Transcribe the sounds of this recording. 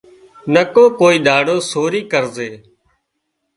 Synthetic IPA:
nəkõːkoːiːɗ̪aːɽoːsoːɾiːkəɾzeː

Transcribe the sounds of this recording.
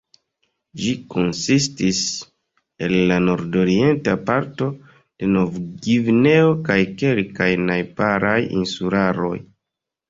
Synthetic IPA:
d͡ʒiko̞nsis̬tis | e̞lːanoɾdo̞ɾie̞ntapaɾto̞ | d̥e̞no̞vɡivne̞o̞kajke̞lkajnajpaɾajḭnsulaɾo̞̰j

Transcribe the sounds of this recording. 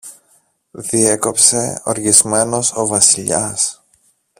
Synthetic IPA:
ðie̞ko̞pse̞o̞̰ɾʝizme̞no̞so̞vɐsiʎɐs

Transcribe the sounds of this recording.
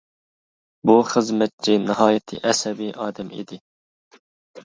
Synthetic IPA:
buχəzmɛt̪̚t͡ʃʰinɨɦɑːjɛt̪ʰɨ̰ʔɛsɛbiʔɑːd̪ɛmḭd̪ɪ

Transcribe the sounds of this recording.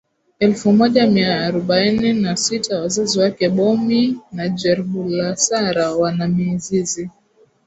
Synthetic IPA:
ɛlfumɔʄamiaːɾɔɓaininasitʰawazaziwakɛɓɔminad͡ʒɛɾhulasaɾawanamizizi

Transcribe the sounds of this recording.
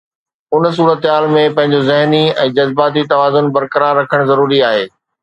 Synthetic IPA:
ʊns̬uːɾət̪ɦaːlmẽpɐ̃ɦɪ̃ɲ̆d͡ʑozɪɦniɛ̰̃ːd͡ʑɐzbaːt̪̬it̪ɐʋaːzʊnbɐɾkɐɾaːɾːɐkʰəɽ̃zɐɾuːɾiaːɦeː

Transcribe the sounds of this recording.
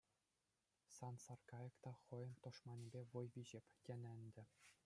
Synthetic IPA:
sɑnsɑrkɑjɤ̆kt̪ɑχɤ̆jɤ̆nt̪ŏʂmɑnʲibʲeʋɤ̆jʋʲiʑɘ̆pʲkʲĕnʲɘ̆nʲd̪ʲɘ̆

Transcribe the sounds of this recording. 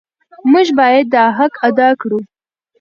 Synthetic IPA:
mʊʒbɑjad̪ːɑɦakad̪ɑkɽu

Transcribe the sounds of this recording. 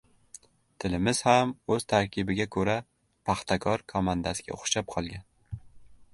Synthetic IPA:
t̪ʰɪlɪmɪz̥hamɵz̥t̪ʰaɾkʲʰɪbɪɡʲakʰɵɾa | pʰaχt̪ʰakʰɒɾkʰɒmand̪asɪɡʲa̰ʊχʃap̚qʰɒlˠɡʲan

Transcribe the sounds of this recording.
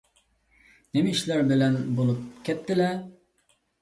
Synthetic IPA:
nɪmɪiʃlæɾbɪlɛnbolˠup̚kʲʰɛt̪ʰːɪlɛ

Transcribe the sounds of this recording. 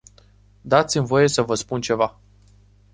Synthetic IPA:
d̪at̪simvo̞je̞səvəspunt͡ʃe̞va

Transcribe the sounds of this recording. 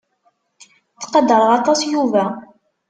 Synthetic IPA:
θqɑd̪əɾˤʁɑt̪ˤɑsjuvæ

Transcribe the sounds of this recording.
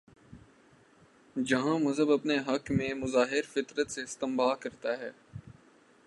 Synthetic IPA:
d͡ʒɐɦãmɐzəbɐpneɦɐkmẽmʊzaːɦɪɾfɪt̪ɾət̪seɪst̪ɪ̃mbaːkɐɾt̪aɦɛː

